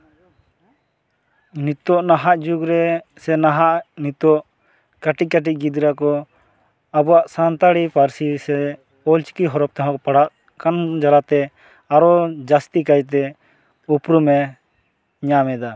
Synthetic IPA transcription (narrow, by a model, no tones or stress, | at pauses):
nit̪ɔʔnaɦaʔd͡ʒuɡɾɛsɛnaɦaʔnit̪ɔʔ | kaʈic̚kaʈ̬ic̚ɡid̪ɾakɔ | abɔwaʔsant̪aɽipaɾsisɛ | ɔlt͡ʃi̥kiɦɔɾɔp̚t̪aɦɔ̃kpaɽaʔ | kand͡ʒalat̪ɛ | aɾɔd͡ʒast̪ikajt̪̬ɛ | upɾumɛ | ɲamɛd̪a